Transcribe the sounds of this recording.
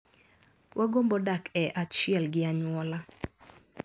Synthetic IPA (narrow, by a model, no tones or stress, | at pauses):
wʔaɡombɔdakɛʔat͡ʃɪɛlɡɪaɲwɔla